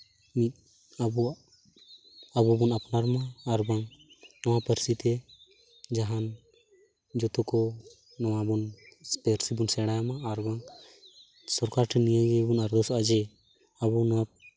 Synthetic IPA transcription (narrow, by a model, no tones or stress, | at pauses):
mi | abu | abubɔnapnaɾmaːɾbaŋ | nɔwapəɾsit̪ɛ | d͡ʒaɦan | d͡ʒɔt̪ɔkɔ | nɔwabɔnpeɾsibunsɛɽajamaːɾbaŋ | sɔɾkaɾʈʰɛnijaɡɛbunaɾd̪ɔsad͡ʒɛ | abunaa